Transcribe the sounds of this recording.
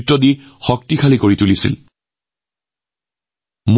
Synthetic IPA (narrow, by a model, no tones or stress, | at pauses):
tːɔdi | xɔk̚tikʰalikoɹitulisḭl | m